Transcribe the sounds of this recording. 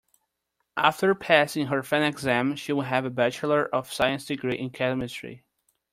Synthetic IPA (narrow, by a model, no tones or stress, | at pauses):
ʔæ̰ftə˞pʰæsɪ̃ŋɦə˞fɛ̃nɛɡzæ̃mʃiwɪɦævəbæt͡ʃlˠə˞ʔʌv̥saɪɨ̃nsd̥ɨɡɹiʔɪ̃nkʰɛɾmɨstɹḭ